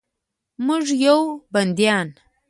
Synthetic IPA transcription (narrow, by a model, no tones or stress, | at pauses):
muʐjawband̪ijɑn